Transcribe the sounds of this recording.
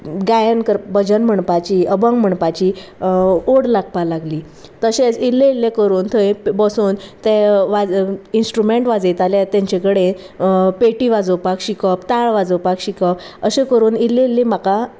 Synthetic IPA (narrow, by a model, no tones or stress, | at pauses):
ɡajənkəɾbəd͡ʑənm̤əɳpat͡ɕiəbə̃ŋɡm̤əɳpat͡ɕi | oɽlaɡ̚palaɡliː | t̪əɕet͡silːẽilːekəɾuːnt̪ʰəjbəsuːnt̪eʋad͡zinsʈɾumeɳʈʋad͡zet̪aljat̪ɛ̃ɲt͡ɕekəɽe | peʈiʋad͡zəwpakɕikəpt̪aɭʋad͡zəwpakɕikəpəɕekəɾuːnileilːẽm̤aka